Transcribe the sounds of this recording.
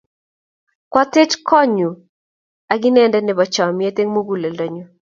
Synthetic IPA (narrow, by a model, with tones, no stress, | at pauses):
kwa˦t̪e˦tkɔ˦ɲu˨ | a˨ɡɪ˦nɛ˦ndɛ˦nɛ˨bɔ˨t͡ʃa˨mɪ˨ɛ˦t̪e˦ŋmu˦ɡu˦˨le˨ldɔ˨ɲɔ˨